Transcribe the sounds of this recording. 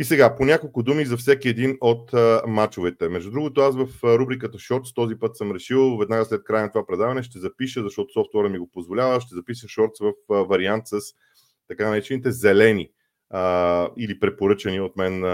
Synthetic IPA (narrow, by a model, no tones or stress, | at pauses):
isɛɡaponʲakolˠkʊd̪umizɐfsɛkiɛd̪inot̪mat͡ʃovɛt̪ɛmɛʒd̪ud̪ɾuɡot̪oasvɐfɾubɾikət̪əʃɔɾt̪st̪ɔzipɤt̪səmɾɛʃilˠvɛd̪naɡəslɛt̪̚kɾajənɐt̪ovapɾɛd̪avɐnɛʃt̪ɛzɐpiʃəzɐʃt̪ɔt̪o̥sɔft̪ɛɾəmiɡopozvolʲavəʃt̪ɛzɐpisəʃɔɾt̪svəfvɐɾiant̪səs | t̪ɐkanɐɾɛt͡ʃɛnit̪ɛzɛlɛni | əilipɾɛpoɾɤt͡ʃəniot̪mɛn